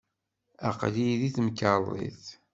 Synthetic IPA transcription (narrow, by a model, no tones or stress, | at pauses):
æqliðiθmkːəlˤːḭθ